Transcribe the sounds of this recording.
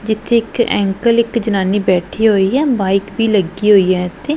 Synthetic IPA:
d͡ʒɪt̪ʰːeːɪkɛ̰̃ːŋkəlɪkd͡ʒənaːniːbɛːʈʰiːɦoːiːɦɛːbaːɪkbiːləɡiːɦoːiːɦɛːt̪eː

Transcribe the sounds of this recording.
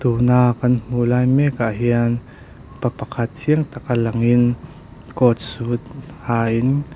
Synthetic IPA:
t̪unaːkːɐnm̥ulaːjmɛkaʔɦiən | papakʰat̪̚t͡sʰiəŋt̪akalɐŋin | kɔt̪̚sut̪̚haːʔin

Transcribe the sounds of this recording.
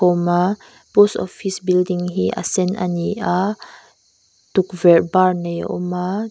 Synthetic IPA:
ɔma | posɔfisbildiŋɦiʔa̰sɛna̰niʔa | tukvɛɹbaɹnɛjɔ̰ʔɔma

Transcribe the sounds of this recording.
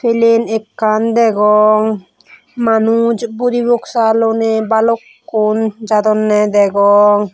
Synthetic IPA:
felenekːand̪ɛɡɔŋ | manud͡ʒbuɾiboksalonebalokːond͡ʒad̪ɔnːɛd̪ɛɡɔŋ

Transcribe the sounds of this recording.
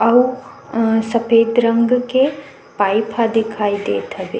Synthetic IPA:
ɐw | sɐpʰeːd̪ɾɐ̃ŋɡke | paːjpʰad̪ɪkʰaːid̪eːt̪ʰɐbeː

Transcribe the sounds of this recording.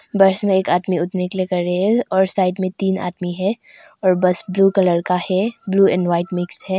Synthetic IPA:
bɐɾsmẽeːkaːd̪miʊt̪nekelekɐɾɾezɔːɾsaːɪʈmẽt̪iːna̰ːd̪miɦɛ | ɔːɾbɐsbluːkɐləɽkahɛbluːɛ̰̃ːɳɖʋaːɪʈmɪksɦɛː

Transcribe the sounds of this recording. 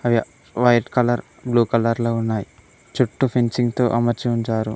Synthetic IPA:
ɐʋiɐ | ʋɐjʈkɐlɐɾ | bluːkɐlɐɾloːunːaːji | t͡ʃuʈːupʰiɲt͡ʃiŋɡt̪o̰ːʔɐmɐɾt͡ʃiuɲt͡ʃaːɾṵ

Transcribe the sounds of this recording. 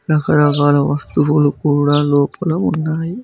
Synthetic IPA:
ɾɐkɐɾɐɡaːlɐʋɐst̪uʋulukuːɽaːloːpɐlɐunːaːji

